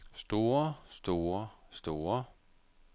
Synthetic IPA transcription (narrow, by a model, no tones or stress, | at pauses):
sd̥o̝ːɐsd̥o̝ːɐsd̥o̝ːɐ